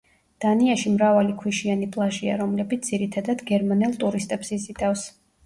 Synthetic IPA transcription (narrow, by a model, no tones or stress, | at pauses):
d̪̥aniaʃimɾavalikʰwiʃianipʼlˠaʒia̰ɾɔmlɛbit̪sd̪z̥iɾit̪ʰad̪ad̪̥ɡɛɾmanɛlˠt̪ʼuɾist̪ʼɛbsizit̪ʼafs